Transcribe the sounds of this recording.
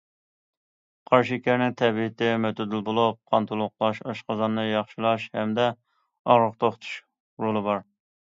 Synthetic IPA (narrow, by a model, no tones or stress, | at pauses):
qʰɑɾʃikʲæɾnɪŋt̪ʰɛbit̪ɪmøt̪ʰɪd̪ɪlbolˠup̚qʰɑnt̪ʰulˠʊqlˠɑʃɑʃqɑzɑnːɨjɑχʃɪlˠɑʃhɛmd̪ɛ | ɑʁɾəχt̪ʰoχt̪ʰu̥ʃ | ɾolˠɨbɑɾ